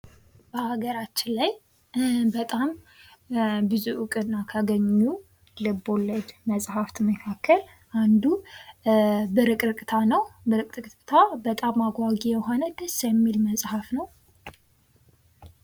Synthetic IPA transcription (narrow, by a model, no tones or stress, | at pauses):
b̥əhaɡəɾat͡ʃːɪnlaj | bət̪ʼam | bɨzuʔɨkʼɨnːakʰaɡəɲːu | lɨbo̞ləd͡ʒməsʼhaft̪ʰməkʰakʰːəl | ʔand̪u | bəɾɨkʼɾɨkʼt̪ʰanəwbəɾɨk̪ʼɨk̪ʼt̪ʰabət̪ʼamaɡʷaɡijɛɦo̞nəd̪əsjɛmːilməsʼhafnəw